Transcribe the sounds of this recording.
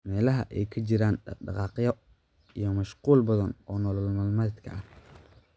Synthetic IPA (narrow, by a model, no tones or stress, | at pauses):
mɛːlɐɦɐ̰ʔɛjkʰɐt͡ʃɪɾaːnɖɑ̰qɑːqjɔ | ijɞmɐʃquːlbɐðɐnɔːnɔlɔlmɐlmɐt̪kʰɐ̰ʔɐh